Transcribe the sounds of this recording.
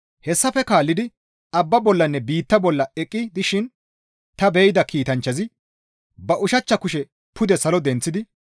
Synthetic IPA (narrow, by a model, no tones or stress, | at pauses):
hɛsːɐfɛkaːlːɪd̪ɪ | ɐbːɐbɔlːɐnːɛbiːt̪ːɐbɔlːɐɛkʼːɪd̪ɪʃɪn | t̪ɐbɛjɪd̪ɐkiːt̪ɐnt͡ʃːɐzɪ | bɐʔʊʃɐt͡ʃːɐkʊʃɛ | pʊd̪ɛsɐlɔd̪ɛnt͡sːɪd̪ɪ